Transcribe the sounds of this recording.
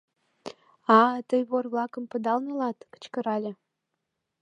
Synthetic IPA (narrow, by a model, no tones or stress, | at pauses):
ɑt̪əjβorβlɑkə̆mpə̆d̪ɑlnə̆lɑt̪kə̥t͡ɕkə̆ɾɑlʲĕ